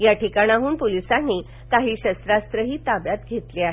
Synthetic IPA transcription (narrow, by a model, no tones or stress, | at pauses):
jaʈʰikaɽ̃ĩaɦuːnpolisanːiː | t̪aɦiːɕəst̪ɾast̪ɾəɦiːt̪abjat̪ɡʱet̪liaɦe